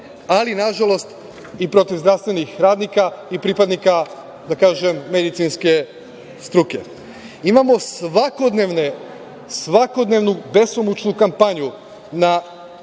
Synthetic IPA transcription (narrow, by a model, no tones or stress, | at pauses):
alinaʒalˠo̞st̪ | ipɾo̞t̪iʋzd̪ɾaʋst̪ʋe̞nixɾaːd̪nikaipɾipad̪nika | d̪akaːʒemːed̪it̪sinske̞ | st̪ɾuke̞̰ | imamo̞sʋako̞d̪neʋne | sʋako̞d̪neːʋnube̞somut͡ʃnukampaɲu | na